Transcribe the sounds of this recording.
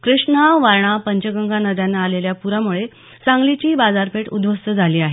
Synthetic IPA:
kɾiʂɳaʋaɾɳapəɲt͡ɕəɡəŋɡanəd̪janːaːleljapuɾamuɭe | t͡sãŋɡlit͡ɕiːbad͡zaɾpeʈṵd̪ʋəst̪əd͡zʱaliːaɦe

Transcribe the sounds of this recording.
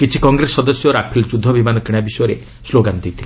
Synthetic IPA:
kit͡ʃʰikɔŋɡɾesːɔd̪ɔsjɔɾapʰilt͡ʃud̪ʱɔbimanɔkiɽ̃abisɔjɔɾe | sloɡant̪it̪ʰile

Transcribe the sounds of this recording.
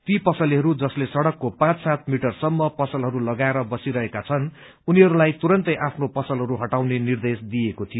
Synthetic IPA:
t̪ipʌsʌliɦʌɾud͡zʌslesʌɽʌkːopãt͡ssat̪̚ʰmiʈʌrsʌmːʌpʌsʌlɦʌɾulʌɡaeɾʌbʌsiɾʌɦekat͡sʰʌn | uniɦʌɾulajt̪uɾʌnt̪ʌjʔapʰnopʌsʌlɦʌɾuɦʌʈawnenird̪esd̪ijekot̪ʰijo

